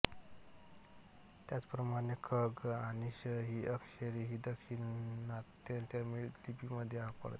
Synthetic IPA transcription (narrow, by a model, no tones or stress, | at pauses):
t̪jat͡spɾəmaɽekʰəɡaɽ̃iɕəɦiːʔəkɕeɾiɦiːd̪əkɕinnat̪ːet̪jamiɭlipiməd̪ʱːjeapə̰ɭt̪